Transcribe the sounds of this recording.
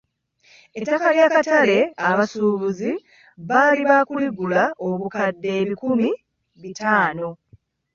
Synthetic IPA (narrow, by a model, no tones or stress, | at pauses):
e̞tːakaljaːkatale̞aβasuːβuzi | βaːliβakuliɡulaʔo̞βukadːe̞ːβikumi | βitaːno̞